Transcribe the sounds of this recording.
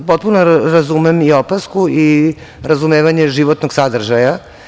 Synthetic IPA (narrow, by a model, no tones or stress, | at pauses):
po̞t̪̚punoɾazumemiopaskui | ɾazumeːʋaɲeʒiʋot̪noɡsad̪r̩ʒaja